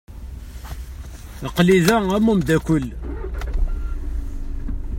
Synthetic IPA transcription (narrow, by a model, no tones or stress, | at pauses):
əqliðææmumd̪ækʷəl